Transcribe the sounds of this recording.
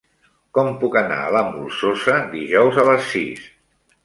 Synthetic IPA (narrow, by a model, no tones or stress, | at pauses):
kɔmpukəna̰ə̰ləmṵlˠsosəd̪iʒɔwzələsːḭs